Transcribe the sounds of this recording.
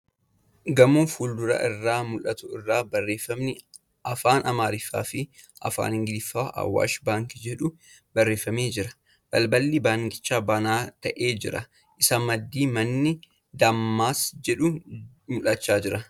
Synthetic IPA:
ɡɐmuːfuːld̪ʊɾɐ̰ʔɪrːaːmʊlɐt̪ʊɪrːaːbɐrːeːfːɐmnɪ | ɐfaːnɐmaːɾɪfːa̰ːfɪ | ʔɐ̰fa̰ːnhɪŋɡɪd̪ɪfːaːʔɐ̰wːa̰ːʃbaːŋkɪd͡ʒɛᶑʊ | bɐrːe̞ːfːɐmeːd͡ʒɪɾɐ | b̥ɐlbɐlːɪbaːŋkɪ̥t͡ʃːaːbanaːt̪ɐʔeːd͡ʒɪɾɐ | ʔɪsɐmːɐd̪ːiːmɐnːɪ | d̪ɐmːaːsd͡ʒɛᶑʊ | mʊlɐt͡ʃːaːd͡ʒɪɾɐ

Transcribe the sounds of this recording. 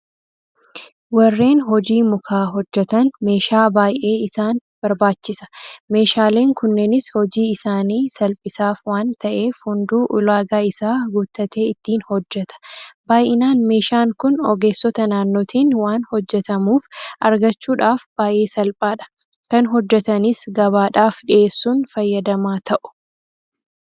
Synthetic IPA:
wɐrːe̞ːnɦɔd͡ʒiːmʊkʰaːɦɔd͡ʒːɛt̪ɐnme̞ːʃaːbaːjʔe̞ːɪsaːnb̥ɐɾbaːt͡ʃːɪsɐ̥me̞ːʃaːle̞ːŋkʊnːenɪshɔd͡ʒiːɪsaːniːsɐlpʼɪsaːfwaːnt̪ɐʔe̞ːfhʊnd̪uːʔʊlaːɡaːɪsaːɡuːt̪ːɐt̪e̞ːɪt̪ːiːnhɔd͡ʒːɛt̪ɐ̥baːjɪnaːnme̞ːʃaːŋkʊnɔɡe̞ːsːɔt̪ɐnaːnːoːt̪ʰiːnwaːnhɔd͡ʒːɛt̪ɐmuːfʔɐɾɡɐt͡ʃːuːᶑaːfb̥aːjʔe̞ːsɐlpʼaːᶑɐ̥ | kɐnɦɔd͡ʒːɛt̪ɐnɪsɡɐβaːᶑaːfᶑɪʔe̞ːsːuːnfɐjːɐd̪ɐmaːt̪ʰɐʔʊ̥

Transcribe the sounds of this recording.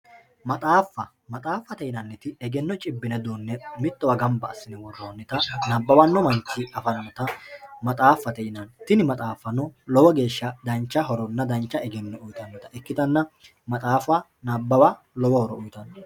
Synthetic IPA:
mɐt̪ʼaːfːɐ | mɐt̪ʼaːfːɐt̪ɛɪnɐnːɛt̪ɪɛɡɛnːɔt͡ʃʼɪbːɪnɛd̪oːnːɛmɪt̪ːɔwɐɡɐmbɐːsːɪnɪwɔrːoːnːɪt̪ɐnɐbːɐwɐnːɔmɐŋkːɪɐfɐnɐnɔt̪ɐmɐt̪ʼaːfːɐt̪ɛʔɪnɐnt̪ɪnɪmɐt̪ʼaːfːɐnɔlɔwɔɡe̞ːʃːɐd̪ɐnt͡ʃːɐɦɔɾɔnːɐd̪ɐnt͡ʃːɐɛɡɛnːɔʊjt̪ɐnːɔt̪ɐɛkːɪt̪ɐnːɐ | mɐt̪ʼaːfʊwa | nabːɐwa | lɔwɔhɔɾɔʊjt̪ɐnːɔ

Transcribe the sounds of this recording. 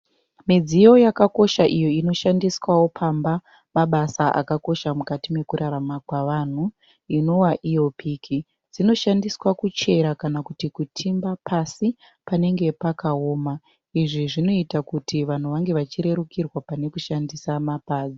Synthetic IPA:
mid͡zijo̞jakako̞ʃaʔijo̞ino̞ʃandiswawo̞pʰamba | maɓasaʔa̰kako̞ʃamukatime̞kuɾaɾamakwaʋan̤u | ino̞waʔijo̞piːki | d͡zino̞ʃandiswakut͡ʃe̞ɾakanakutikutʰimbapʰasi | pane̞ŋɡe̞pakaoːma | iʐiʐino̞itakutiʋan̤uʋaŋɡe̞ʋat͡ʃiɾe̞ɾukirwapane̞kuʃandisamapaːd͡zi

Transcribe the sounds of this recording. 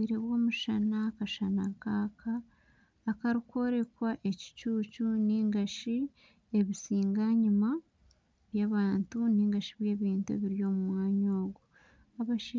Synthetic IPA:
iːɾe̞βwo̞ːmuʃanakaʃanakakʰaː | kaɾikwo̞ːɾe̞kwaʔe̞ci̥cuːcuniːŋɡaʃi | e̞βisiːŋɡaɲuma | βjaːβaːntuniːŋɡaʃiβje̞ːβiːntuḛβiɾijo̞ːmumwaːɲoːɡu | aβaʃi

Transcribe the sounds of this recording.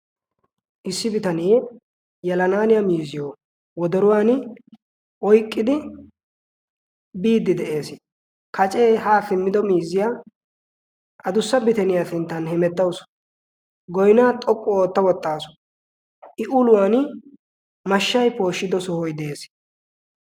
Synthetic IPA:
ʔɪsːɪbɪt̪ɐnijɛ | jɐlɐnaːnɪjɐmiːzɪjoː | wɔd̪ɔɾʊwaːn | ʔɔjkʼːɪd̪ɪ | biːd̪ːɪd̪ɛʔe̞ːs | kʰɐt͡ʃʼe̞ːɦaːfɪmːɪd̪ɔmiːzɪjaː | ʔɐd̪ʊsːɐbɪt̪ɛnɪjasɪnt̪ːɐnhɛmɛt̪ːɐwʊs | ɡɔjnaːt̪ʼɔkʼːʊoːt̪ːɐwɔt̪ːaːsʊ̥ | ʔɪʔʊlʊwaːn | mɐʃːɐjpo̞ːʃːɪd̪ɔsɔhɔjd̪e̞ːs

